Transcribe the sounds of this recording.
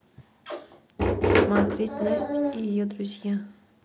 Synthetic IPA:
smat̪ɾʲetʲlnəsʲtʲijod̪ɾuzʲja

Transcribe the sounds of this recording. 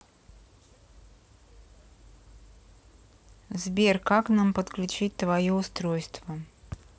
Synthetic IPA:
zbʲerkaknampət̪klʲʉt͡ɕit̚ʲt̪vɐjoʊst̪ɾojst̪və

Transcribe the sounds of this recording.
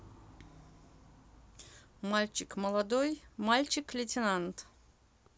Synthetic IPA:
malʲt͡ɕɪkməlˠɐd̪ojmalʲt͡ɕɪklʲɪtʲɪnant̪

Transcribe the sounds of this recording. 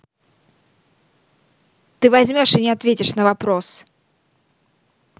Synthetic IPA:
t̪ɨvazʲmʲɔʂɨnʲɪat̪vʲet͡sʲɪʂn̪ɐvapɾɔs

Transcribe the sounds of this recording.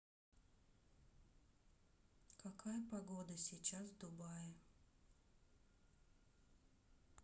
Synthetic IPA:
kɐkajəpɐɡod̪əsʲɪt͡ɕasd̪ʊbaj

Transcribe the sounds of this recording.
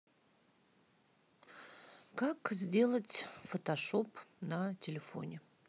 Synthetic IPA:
kakzʲdʲe̞lˠətʲfət̪ɐʂopnətʲɪlʲɪfo̰nʲɪ

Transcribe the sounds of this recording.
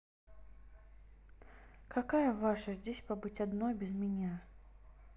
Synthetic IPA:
kɐkajəvaʂəzʲdʲesʲpɐbɨtʲɐd̪nojbʲɪzmʲɪnʲa

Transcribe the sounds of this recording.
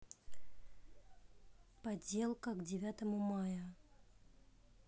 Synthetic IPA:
pɐdʲe̞lˠkəɡdʲɪvʲat̪əmumajə

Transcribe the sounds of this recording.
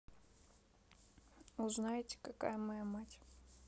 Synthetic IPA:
ʊznajɪtʲɪ̥kaka̰jəmɐjamatʲ

